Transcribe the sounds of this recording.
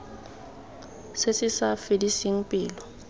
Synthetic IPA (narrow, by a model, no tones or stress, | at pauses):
sɪsɪsafɪdisiŋ̩pʼɪːlɔ